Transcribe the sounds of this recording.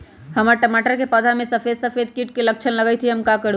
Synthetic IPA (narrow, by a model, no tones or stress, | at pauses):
həməɾʈəmaʈəɾkepəd̪ʱamesəpʰed̪səpʰed̪̚kiʈ̚kelək̚t͡ʃʰənləɡəjt̪ʰiɦəmkakəɾ